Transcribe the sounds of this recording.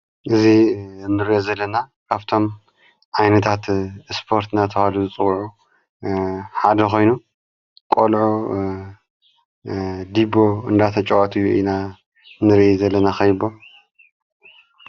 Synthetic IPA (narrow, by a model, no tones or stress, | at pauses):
ʔɨzinːɨɾijozɐlːɐnakʰaβt̪ʰo̞m | ʔajnɐt̪ʰat̪spʰo̞ɾt̪ɨnat̪ʰɐhaluzɨt͡sʼɨwʕu | ħad̪ɐxʰo̞jnu | kʼolʕu | d̪ibo̞ɨ̰nd̪at̪ʰɐt͡ʃʼɐwat̪ʰɨjuʔina | nɨɾʔizɐlːɐnaxɐjbo